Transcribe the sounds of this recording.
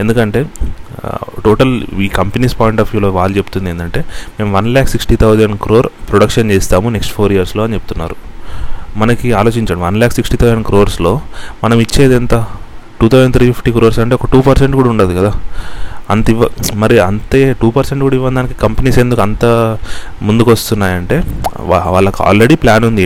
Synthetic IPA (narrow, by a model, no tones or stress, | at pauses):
e̞nd̪ukɐɳʈe̞ː | ʈoːʈɐliːkɐmpeniːspɔːjiɳʈaːfjuːloːʋaːlut͡ʃepu̥t̪und̪end̪ɐɳʈe̞ːmeːmʋɐnlaːksiksʈit̪ʰɐwzɐɳkɾo̞ːɾpɾoɽɐkʂɐnt͡ʃeːst̪aːmune̞ksʈpʰoːɾijɐɾslo̞ːɐnit͡ʃe̞p̚ut̪unːa̰ːɾu | mɐnɐkiaːlo̞ːt͡ʃiɲt͡ʃaːmɐʋɐnlaːksiksʈiːt̪ʰɐwd͡ʒɐnkɾo̞ːɾslo̞ːmɐnɐmit͡ʃːe̞ːd̪ent̪ɐʈuːt̪ʰɐwzent̪ɾiːpʰipʰʈiːkɾoːɾsɐɳʈe̞ːɔkɐʈuːpɐɾseɳʈ̚kuːɽɐuɳɖaːd̪ikɐd̪aː | ɐnt̪iʋɐmɐɾiɐnt̪eːʈuːpɐɾseɳʈkuːɽɐiʋːɐnd̪aːnikikɐmpeniːsend̪ukɐnt̪a | mund̪ukʋɐst̪unːaːjɐɳʈe̞ːaʋaːɭːɐka̰ːlɾe̞ɽiplaːnund̪i